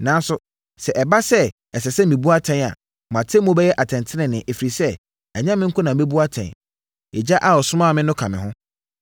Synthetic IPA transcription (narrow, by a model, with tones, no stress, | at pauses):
nã˨˦n˦sʊ˨ | sɛ˨ʔɛ˨ba˦sɛ˦ | ɛ˨sɛ˨sɛ˦mĩ˨bu˦a˦tʰɛ̃˦n˨a̰˨ | m˨ã˨tʰe˦mʊ̃˦bɛ˦jɛ˦ʔa˨tʰɛ̃˨ntʰɪ˦nɪ̃˨nɪ̃˨ʔe˨fi˨ɾi˨sɛ˦ | a˨ɲã˦mɪ̃˦ŋ̩˦kʰʊ˦nã˨˦e˦bu˦a˦tʰɛ̰̃˨n | e˨d͡ʑa˦ʔa˦ɔ˨sʊ˦mã˦˨mɪ̃˦nʊ̃˦kʰa˨mɪ̃˨ɦʊ̃˦